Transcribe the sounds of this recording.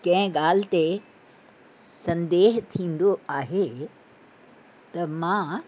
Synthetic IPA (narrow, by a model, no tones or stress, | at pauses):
kɐ̃ɦɪ̃ɠaːl̤ɪt̪e | sɐ̃nd̪eːɦt̪ʰĩːn̆d̪oaːɦe | t̪ɐmãː